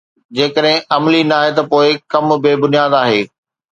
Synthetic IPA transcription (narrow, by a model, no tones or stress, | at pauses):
d͡ʑeːkəɗɦɪ̃ɐmlinɐaːɦet̪ɐpoːɪkɐmbeːbʊnijaːd̪aːɦeː